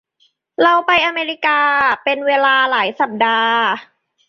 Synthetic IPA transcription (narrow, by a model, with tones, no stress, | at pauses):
ɾa˧wpa˧jʔaː˧meː˧ɾi˧˥kaː˧pe˧nweː˧laː˧laː˩˦jsa˨˩p̚daː˧